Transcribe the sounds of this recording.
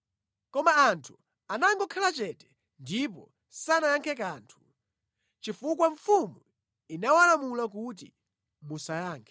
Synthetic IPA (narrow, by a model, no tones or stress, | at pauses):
kɔmaːntʰu̥ | anaŋɡɔkʰalat͡ʃɛtɛ̥ | ndipɔ̰ | sanajaŋkʰɛk̬aːntʰu̥ | t͡ʃifukwaɱfumu | inawalamulak̬ut̬ḭ | musajaːŋkʰɛ